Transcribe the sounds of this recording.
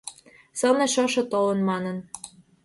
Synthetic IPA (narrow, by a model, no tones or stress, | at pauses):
sɤ̆nĕʃɤʃɤ̆t̪olɤ̆nmɑnɤ̆n